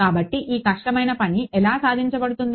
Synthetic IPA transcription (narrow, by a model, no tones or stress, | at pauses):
kaːbɐʈːiʔiːkɐʂʈɐmɐjnɐpɐniʔɛlaːsaːd̪ʱiɲt͡ʃɐbɐɽut̪und̪